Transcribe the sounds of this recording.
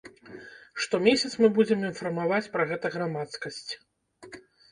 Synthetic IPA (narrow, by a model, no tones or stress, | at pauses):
ʂt̪ɔmʲesʲɐt̪smɨbud͡zʲɛminfɐrmavat͡sʲpɾɐɣɛt̪ɐɣɾamat̪skɐsʲt͡sʲ